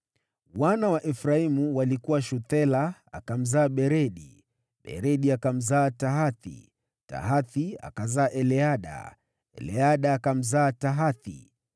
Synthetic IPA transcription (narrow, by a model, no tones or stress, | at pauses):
wanawaʔɛfɾaimuwalikuwaʃuθɛlaa̰kam̩zaːɓɛɾɛɗi | ɓɛ̰ɾɛɗiakam̩zaːtaɦaθḭ | ta̰ɦaθia̰kazaːʔɛlɛaɗa̰ | ɛ̰lɛaɗaːkam̩zaːtaɦaθḭ